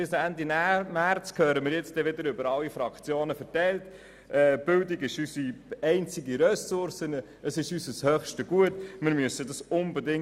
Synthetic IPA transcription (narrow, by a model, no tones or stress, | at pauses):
bɪsændinmært͡skʰøːɾəmɪːɾjɛt͡std̥ɛʋɪdəɾʏbəɾɑlːifɾɑkt͡sjoːnəfɛɾtɛɪlt | ʔɛːb̥ʏldiɡɪʃysiɛɪnt͡siɡiɾɛsʊɾsənə | əsɪʃysəshœχʃtəɡ̥uətmɪɾmyəsədɑsʊnbɛdɪŋ